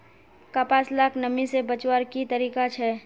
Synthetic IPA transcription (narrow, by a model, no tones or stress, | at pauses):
kapaːslaːkʰnəmisebət͡ʃwaɾkit̪əɾiːkat͡ʃʰɛ